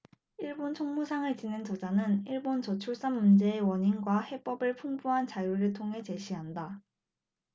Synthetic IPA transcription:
iɭbont͡ɕʰoŋmusʰaŋɯɭt͡ɕinɯnt͡ɕʌd͡ʑanɯniɭbont͡ɕʌt͡ɕʰuɭs͈anmund͡ʑe̞ːwʌɲinɡwahe̞p͈ʌbɯɭpʰuŋbuɦant͡ɕajuɾɯɭtʰoŋɦe̞t͡ɕe̞ɕʰiɦanda

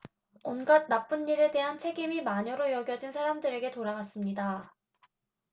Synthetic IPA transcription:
ʌnɡad̚nap͈unːiɾe̞de̞ɦant͡ɕʰe̞ɡimimaɲʌɾojʌɡjʌd͡ʑinsʰaɾamdɯɾe̞ɡe̞toɾaɡas͈ɯmɲida

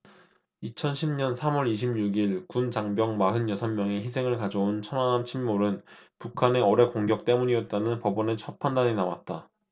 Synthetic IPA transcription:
it͡ɕʰʌnɕʰimɲʌnsʰamʌɾiɕʰimɲuɡiɭkunt͡ɕaŋbjʌŋmaɦɯnjʌsʰʌnmːjʌŋe̞çisʰe̞ŋɯɭkad͡ʑount͡ɕʰʌnanamt͡ɕʰimmoɾɯnpukʰane̞ʌɾe̞koŋɡjʌk̚t͈e̞muɲiʌt̚t͈anɯnpʌbʌnet͡ɕʰʌpʰandaɲinawa̰t̚t͈a

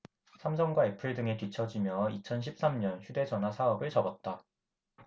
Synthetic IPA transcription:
sʰamsʰʌŋɡwaepʰɯɭdɯŋe̞kit͡ɕʰʌd͡ʑimjʌit͡ɕʰʌnɕʰip̚s͈amɲʌnçjude̞d͡ʑʌnɦwasʰaʌbɯɭt͡ɕʌbʌt̚t͈a

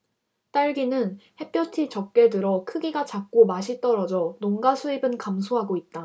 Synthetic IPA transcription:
t͈aɭɡinɯnhe̞p͈ʰjʌtʰit͡ɕʌk̚k͈e̞dɯɾʌkʰɯɡiɡat͡ɕak̚k͈omaɕʰit͈ʌɾʌd͡ʑʌnoŋɡasʰuibɯnkamsʰoɦaɡoit̚t͈a

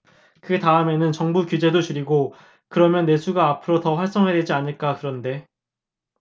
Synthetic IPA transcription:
kɯtaɯme̞nɯnt͡ɕʌŋbukud͡ʑe̞dot͡ɕuɾiɡo | kɯɾʌmjʌnːe̞sʰuɡaːpʰɯɾotʌɸwaɭs͈ʌŋɦe̞de̞d͡ʑianɯɭk͈akɯɾʌnde̞

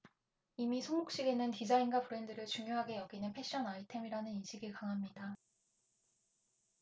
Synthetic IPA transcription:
imisʰoŋɡuk̚ɕ͈iɡe̞nɯntid͡ʑainɡwapuɾe̞ndɯɾɯɭt͡ɕuŋjoɦaɡe̞jʌɡinɯnpʰe̞ɕ͈ʌnaitʰe̞miɾanɯninɕʰiɡɯɭkaŋɦamɲida

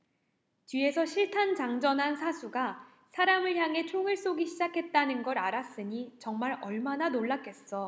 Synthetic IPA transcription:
t͡ɕɥie̞sʰʌɕʰiɭtʰant͡ɕaŋd͡ʑʌnɦansʰasʰuɡa | sʰaɾamɯɭçjaŋe̞t͡ɕʰoŋɯɭs͈oɡiɕʰid͡ʑakʰe̞t̚t͈anɯnɡʌɾaɾas͈ɯɲit͡ɕʌŋmaɾʌɭmananoɭːak͈e̞s͈ʌ

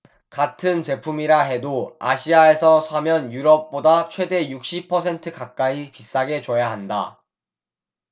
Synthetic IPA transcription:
katʰɯnt͡ɕe̞pʰumiɾaɦe̞doa̰ɕʰiae̞sʰʌsʰamjʌnjuɾʌp̚p͈odat͡ɕʰwe̞de̞juk̚ɕ͈ipʰʌsʰe̞ntʰɯkak̚k͈aipis͈aɡe̞t͡ɕʌjaɦanda̰

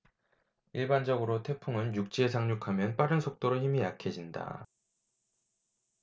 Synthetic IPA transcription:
iɭband͡ʑʌɡɯɾotʰe̞pʰuŋɯnjuk̚t͡ɕ͈ies̬ʰaŋɲukʰamjʌnp͈aɾɯnsʰok̚t͈oɾoɦimijakʰed͡ʑinda̰

